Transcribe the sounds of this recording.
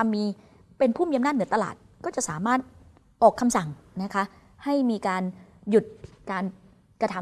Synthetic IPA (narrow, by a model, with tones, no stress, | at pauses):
a˧mːiː˧ | pe˧npʰuː˥˩mi˧a˧mnaː˥˩ɯ˩˦t̪a˧la̰ː˨˩t̪̚kɔː˥˩t͡ɕa˨˩ʔsaː˩˦maː˥˩t̪̚ | ʔɔː˨˩kʰːa˧msa˨˩ŋna˦˥kʰa˦˥ʔ | ha˥˩jmiː˧kaː˧nju˨˩t̪̚kaː˧n | kɾa˧t̪ʰa˩˦